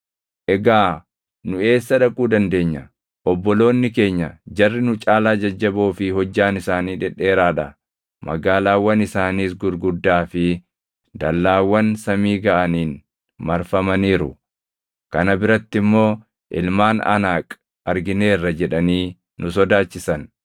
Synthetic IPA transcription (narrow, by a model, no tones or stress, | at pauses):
ʔɛɡaː | nʊe̞ːsːɐᶑɐkʼuːd̪ɐnd̪e̞ːɲːɐ | ʔɔbːɔlo̞ːnːɪke̞ːɲːɐd͡ʒɐrːɪnʊt͡ʃʼaːlaːd͡ʒɐd͡ʒːɐboːfɪɦɔd͡ʒːaːnɪsaːniːᶑɛᶑe̞ːɾaːᶑɐ | mɐ̰ɡaːlaːwːɐnɪsaːniːs̬ɡʊɾɡʊd̪ːaːfɪ | d̪̥ɐlːaːwːɐnsɐmiːɡɐʔɐniːn | mɐɾfɐmɐniːɾʊ̰ | kɐnɐbɪɾɐt̪ːɪmːo̞ː | ʔɪlmaːnɐ̰naːkʼ | ɐɾɡɪne̞ːrːɐd͡ʒɛᶑɐniː | nʊsɔd̪aːt͡ʃːɪsɐn